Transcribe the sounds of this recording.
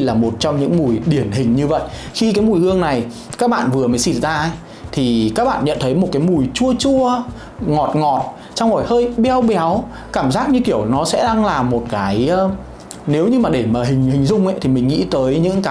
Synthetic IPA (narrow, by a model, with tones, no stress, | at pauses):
laː˨˩mo˨˩t̚t͡ɕɔ˧wŋ͡mɲɨ̰˧˥ŋmu˨˩jɗi˧˩ənhï˨˩ŋ̟ɲɨ˧və̰˧˨jxi˧kaː˨˦jmu˨˩jhɨ˧əŋna˨˩j | kaː˦˥k̚ɓa̰ː˧˨nvɨ˨˩əməː˨˦jsi˧˩zaː˧˦ | t̪ʰi˨˩kaː˦˥k̚ɓa̰ː˧˨nɲə̰˧˨nt̪ʰə˨˦jmo˨˩t̚kaː˨˦jmu˨˩jt͡ɕu˧ət͡ɕu˧ə | ŋɔ˨˩t̚ŋɔ˨˩t̚ | t͡ɕa˧who˨˩jhəː˧jɓɛ˧wɓɛ˨˦w | kaː˧˩mzaː˦˥t̚ɲɨ˧ki˧˩əwnɔ˨˦sɛ̰˧˥ɗaː˧ŋlaː˨˩mo˨˩t̚kaː˨˦j | ne˨˦wɲɨ˧maː˨˩ɗe˧˩maː˨˩ɦï˨˩ŋ̟hï˨˩ŋ̟zʊ˧ŋ͡mʔə˨˦jt̪ʰi˨˩mï˨˩ŋ̟ŋḭ˧˥t̪əː˨˦jɲɨ̰˧˥ŋkaː˨˦